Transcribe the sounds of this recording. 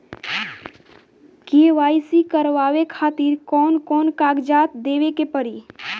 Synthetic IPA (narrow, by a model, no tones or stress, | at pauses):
keʋaːisikəɾʋaːʋekʰaːt̪iːɾkɔːnkɔːnkaːɡd͡ʒaːt̪d̪eːʋekepəɾiː